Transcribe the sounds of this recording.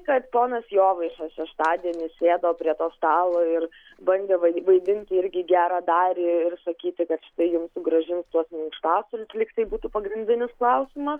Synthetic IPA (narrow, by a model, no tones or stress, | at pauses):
kɐt̪poːnɐsjoːʋɐɪʃʲɛsʃʲɛʃt̪ɑːd̪ʲiɛnʲɪsʲeːd̪ɐʋoːpʲɾʲiɛt̪oːst̪ɑːlˠoːɪr | bɐnʲd̪ʲeʋɐɪʋɐɪd̪ʲɪnʲt̪ʲɪɪɾʲɡʲɪɡʲæːɾɑːd̪ɑːɾʲɪɪrsɐkʲiːt̪ʲɪkɐt̪ʃʲɪ̥t̪ɐɪjʊmsʊɡɾɐʒʲɪnst̪uɔsmʲɪŋkʃt̪ɑːsʊlʲslʲɪkt̪ɐɪbuːt̪uːpɐɡɾʲɪnʲd̪ʲɪnʲɪsklˠɐʊsʲɪmɐs